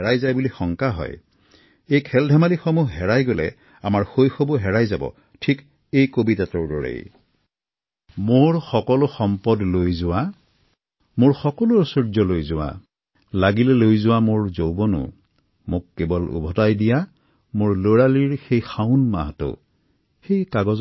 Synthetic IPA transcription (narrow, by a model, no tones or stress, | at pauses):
ɦɛajzajbulixɔŋkaɦɔ̰j | ejkʰɛldʱamalixomuɦɦɛɹajɡolɛ̰ | amaɹxojxobɔɦɛɹajzabɔ̰ | tʰik | ejkobitatɔɹdɔɹḛj | moɹxɔkɔlʊxɔmpɔdlojzʊwa | mʊɹxɔkɔlʊsoɹzɔlojzʊwa̰ | laɡilɛlojzʊwamʊɹzowbɔnʊ̰ | mʊk̚ːebɔlṵbʱɔtajdija | moɹloɹaliɹxejxaʊnma̰ɦto̰ | xejkaɡɔz